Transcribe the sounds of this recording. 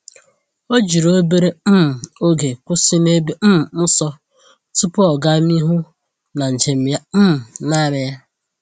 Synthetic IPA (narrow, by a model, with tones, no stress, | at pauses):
o˦d͡ʒi˨ɾo˦be˦ɾe˦m̩˦m̩˨o˦ɡe˨kʷʊ˦sɪ˦ne˦be˦m̩˦m̩˨n̩˦sɔ˦ | tu˦pʊ˦ɔ˨ɡa˦mi˦ɦu˦ | na˨n̩˨d͡ʒe˨m̩˦ja˦m̩˦m̩˨na˦˨ɾɪ˨ja˦